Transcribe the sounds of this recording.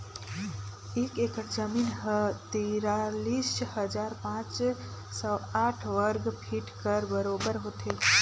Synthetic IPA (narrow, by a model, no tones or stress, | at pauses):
ekekəɾd͡ʒəminɦət̪iɾalishəd͡ʒaɾpãt͡ʃ | sə̃aʈʰʋəɾɡpʰiʈkəɾbəɾobəɾɦot̪ʰe